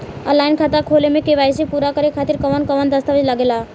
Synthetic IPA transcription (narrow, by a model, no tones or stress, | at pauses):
ə̰laɪnkʰat̪akʰolemẽkeʋajsipuɾakəɾekʰat̪iɾkəʋənkəʋənd̪əst̪əʋilaɡela